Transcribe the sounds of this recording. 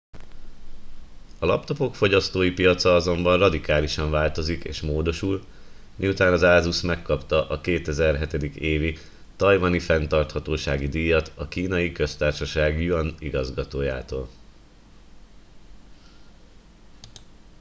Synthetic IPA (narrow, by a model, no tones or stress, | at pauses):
ɒlɒpt̪o̞po̞kfo̞ɟɒst̪oːjipijɒt̪sɒɒzo̞mbɒnrɒd̪ikaːliʃɒɱvaːlt̪o̞zikḛːʃmoːd̪o̞ʃul | miut̪aːnɒzaːzusmɛkːɒpt̪ɒʔɒkeːt̪ɛzɛrɦɛt̪ɛd̪ikeːvi | t̪ɒjvɒnifɛnt̪ɒrt̪hɒt̪oːʃaːɡid̪iːjɒt̪ɒkiːnɒjikø̞st̪aːrʃɒʃaːɡjuɒniɡɒzɡɒt̪oːja̰ːt̪oːl